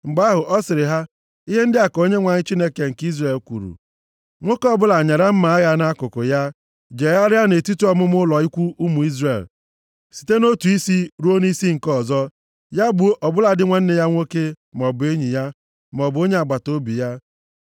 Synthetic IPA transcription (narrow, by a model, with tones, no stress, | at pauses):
ŋ͡m̩˨ɡ͡ba˦ɦʊ˨ʔɔ˦sɪ˨ɾɪ˨ɦa˦ | i˦ɦe˦n̩˦dɪ˦a˨ko˦ɲe˦ŋʷa˨ɲɪ˦t͡ʃi˦ne˦ke˨ŋ̩˨ki˦zɾe˨lkʷṵ˨ɾṵ˨ | ŋʷo˦kɔ˦bʊ˦la˨ɲa˨ɾa˦m̩˦ma˨a˦ɣa˦na˦kʊ˨kʊ˨ja˦ | d͡ʒe˨ja˦ɾja˦ne˨tu˦tu˦ɔ˦mʊ˦mʊ˦lɔ˨i˦kʷu˦ʔu˦mu˨i˦zre˨l | si̥˨te˦no˦tu˨i˦si˦ɾu˦o˦ni˦si˦ŋ̩˨kɔ˦˨zɔ˦ | ja˦bʊ˨˦ʔɔ˨bʊ˦la˨dɪ˦ŋʷe˦n̩˦ne˨ja˦ŋʷo˦ke˦ | m˨ɔ˨bʊ˨e˦ɲi˨ja˦ | m˨ɔ˨bo˦ɲe˦a˨ɡ͡ba˨to˦bi˨ja˦